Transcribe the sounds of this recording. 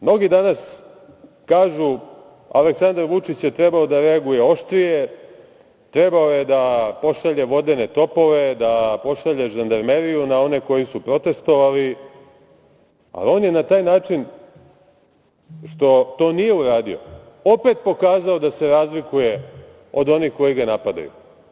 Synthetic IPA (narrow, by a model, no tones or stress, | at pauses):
mno̞ɡid̪anas | kaːʒu | a̰leksand̪aɾʋut͡ʂit͡ɕje̞t̪ɾe̞baod̪aɾeaɡuje̞o̞ʃt̪ɾije̞ | t̪ɾe̞baojed̪apo̞ʃaʎe̞ʋo̞d̪e̞ne̞t̪o̞po̞ʋe̞d̪apo̞ʃaʎe̞ʒand̪aɾme̞ɾijunao̞ne̞ko̞jisupɾo̞t̪e̞st̪o̞ʋali | a̰lio̞ːnjenat̪aːjnaːt͡ʂin | ʃt̪o̞t̪o̞ːnije̞uɾaːd̪io̞̰ | o̞pe̞t̪̚po̞kaːzao̞d̪ase̞ɾaːzlikuje̞ | o̞d̪o̞nixko̞jiɡanapad̪a̰jṵ